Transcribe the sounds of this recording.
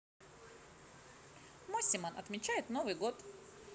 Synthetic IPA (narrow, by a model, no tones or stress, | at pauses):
mɔsʲɪmənɐ̰t̪mʲɪt͡ɕæjɪt̪novɨjɡot̪